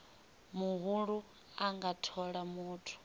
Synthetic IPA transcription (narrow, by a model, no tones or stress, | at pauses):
muɦuɺu | aŋɡatʰɔɺamuːtʰu̥